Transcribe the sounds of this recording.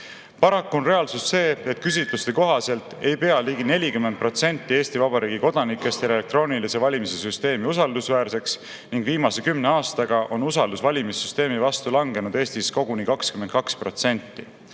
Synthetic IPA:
pɑɾɑkːˑonre̞ɑlsusːe̞ːe̞t̪̚kys̬ʲit̪lust̪e̞ko̞ɦɑse̞lt̪ːˑe̞jpe̞ɑliːɡine̞lʲikymed̪̚pro̞t̪se̞nt̪ˑːie̞ːst̪ivɑbɑɾiːɡiko̞d̪̥ɑnikːˑe̞st̪e̞lee̞k̚t̪ro̞ːnilise̞vɑlʲimise̞syst̪e̞ːmiusɑld̪usvæːrse̞ks | niŋɡviːmɑse̞kymneɑːst̪ɑɡɑʔo̞nusɑld̪usvɑlʲimisːyst̪e̞ːmivɑst̪ulɑŋɡe̞nud̪̥e̞ːst̪isko̞ɡ̥unikɑkskymen̚kɑkspro̞̰t̪se̞nʲt̪ˑːi

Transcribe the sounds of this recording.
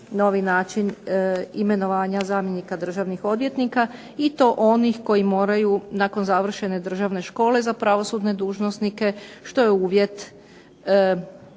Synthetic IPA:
no̞ʋinaːt͡ʃinime̞no̞ʋaːɲazaːmjenikad̪r̩ʒaʋnixo̞d̪ʋje̞t̪nika | it̪o̞ʔo̞nixko̞jimo̞ːɾajunako̞nzaʋr̩ʃe̞ne̞d̪r̩ʒaʋne̞ʃko̞ːle̞zapɾaʋo̞suːd̪ne̞d̪uːʒno̞snike̞ʃt̪o̞jeuːʋje̞t̪

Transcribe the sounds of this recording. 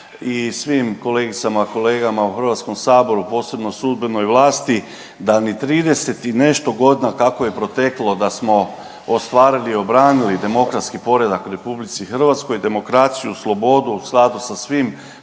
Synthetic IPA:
isʋimko̞leɡit̪samako̞le̞ːɡamauxr̩ʋat̪sko̞msaːbo̞ɾupo̞ːse̞bno̞sud̪beno̞jʋlˠaːst̪i | d̪anit̪ɾiːd̪e̞se̞t̪ine̞ʃt̪o̞ɡo̞d̪nakakoje̞pɾo̞t̪e̞klˠo̞d̪asmo̞ | ost̪ʋaːɾiliːo̞bɾaːnilid̪e̞mo̞kɾat̪skipo̞ɾe̞d̪akuɾe̞publit̪sixr̩ʋat̪sko̞jd̪e̞mo̞kɾat̪sijuslˠo̞bo̞d̪uːsklˠad̪usasʋim

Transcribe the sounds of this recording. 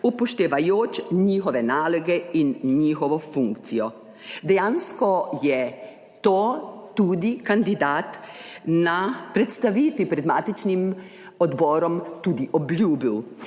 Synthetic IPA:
upɔʃt̪eʋajoːt͡ʃɲiːxɔʋɛnaːlɔɡɛinɲiːxɔʋɔfuŋkt̪sijɔ | d̪ɛjanskɔjɛ | t̪oːt̪ud̪ikand̪id̪aːt̪napɾɛt̪st̪aʋiːt̪ʋipɾɛd̪maːt̪it͡ʃnim | ɔd̪bɔːɾɔmt̪ud̪iʔɔbljuːbiw

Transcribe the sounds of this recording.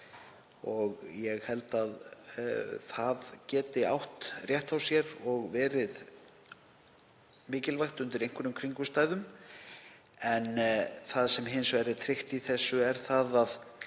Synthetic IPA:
ɔɣjɛɣhɛlt̪að | θaðcɛːt̪ɪa̰wht̪rjɛht̪awsjɛɾɔɣvɛːɾɪð | mɪːcɪlvajxt̪ʏnt̪ɪɾejŋkʰʏɾnʏmkʰɾiŋkʏst̪aːjðʏm | ɛnθaðsɛmɦɪnsvɛɾɪt̪ʰɾɪxt̪iθɛsːʏɛɾ̥θaðað

